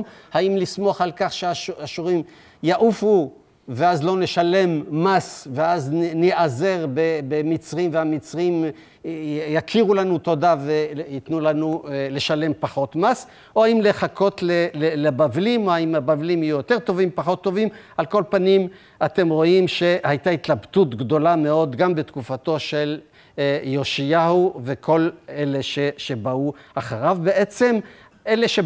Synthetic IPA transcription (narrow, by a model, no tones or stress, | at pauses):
haimlismoaχalkaχʃeaʃaʃuʁim | jaʔufu | veazlo̞ne̞ʃale̞mːasveazniʔaze̞ʁbebemit͡sʁimveamit͡sʁim | jakʰiʁulanut̪o̞d̪aveit̪nulanule̞ʃale̞mpaχo̞t̪mas | ʔohaimle̞χako̞t̪lelelebavlimoaimabavlimijujo̞t̪e̞ʁt̪o̞vimpaχo̞t̪ːo̞vimʔalko̞lpanim | at̪emʁo̞imʃe̞hajtait̪labt̪utɡdo̞lameo̞d̪ɡambe̞t̪kufato̞ʃe̞l | jo̞ʃijahuve̞kʰo̞le̞leʃeʃe̞bauaχaʁavbe̞ʔe̞t͡se̞m | ʔe̞le̞ʃe